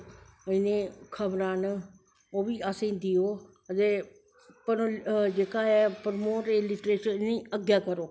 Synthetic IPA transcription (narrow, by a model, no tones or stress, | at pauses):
ɪnẽːkʰəbɾãːnə | oːbiːasẽːd̪ɪoː | əd̪eː | pənõːd͡ʒeːkaːɛːpəɾmoːɾeːlɪʈɾeːʃənĩːəɡjaːkəɾoː